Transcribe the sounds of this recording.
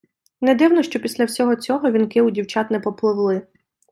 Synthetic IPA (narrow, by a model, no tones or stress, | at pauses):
nɛd̪ɪwnɔʃt͡ʃɔpʲisʲlʲɐwsʲɔɦɔt͡sʲɔɦɔʋʲinkɪwdʲiwt͡ʃat̪nɛpɔplˠɪwlˠɪ